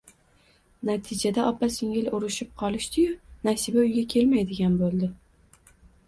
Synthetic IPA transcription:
nat̪ʰɪd͡ʒad̪aʔɒpʰːasɪŋʲɪlʊɾɪʃɪp̚qʰɒlˠɪʃt̪ɪjʊnasɪbaʊjɡʲakʲʰe̞lmajd̪ɪɡʲanbolˠd̪ɪ

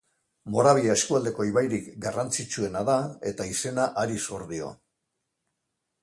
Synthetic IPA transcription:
mo̞ɾaβ̞iae̞skuald̪e̞ko̞iβajɾikɡarant͡sit͡ʃue̞naðae̞t̪aise̞naʔaɾisoɾðio̰

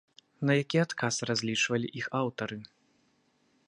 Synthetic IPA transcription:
nɐjakʲiat̪kʰasrazʲlʲit͡ʂvɐlʲiʔixawt̪ɐɾɨ

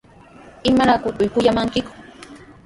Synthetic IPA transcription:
ɪmaɾakʊt̪ʊjkʊjamaŋkɪkʊ̥

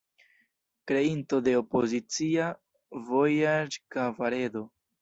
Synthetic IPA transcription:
kɾe̞into̞de̞opozit͡sia | vojad͡ʒkavaɾe̞do̞

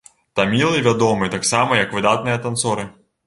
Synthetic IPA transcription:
t̪ɐmʲilˠɨvʲad̪ɔmɨt̪aksamɐjɐkvɨd̪at̪̚nɨjɐt̪ant̪sɔɾɨ

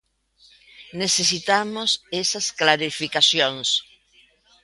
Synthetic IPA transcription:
nesesit̪amosesɐsklaɾifikaθjoŋs

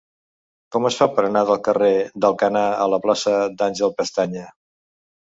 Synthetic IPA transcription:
kɔməsfapəɾənaðəlˠkəred̪əlˠkənaələplasəd̪anʲʒəlˠpəst̪aɲə

